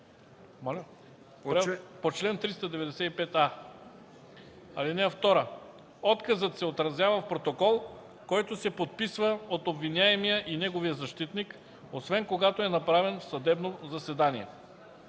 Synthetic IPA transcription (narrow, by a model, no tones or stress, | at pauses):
m | ɾpot͡ʃlɛnt̪ɾist̪ɐd̪ɛvɛd̪ɛsɛipɛt̪a | ɐlinɛəft̪ɔɾə | ɔt̪kɐzət̪sɛot̪ɾɐzjavɐfpɾot̪okɔlˠ | kɔjt̪osɛpot̪̚pisvəot̪obvinʲaɛmijəʔinɛɡovijəzɐʃt̪it̪nik | osvɛnkoɡat̪oɛnɐpɾavɛnfsɐd̪ɛbnozɐsɛd̪aniɛ̰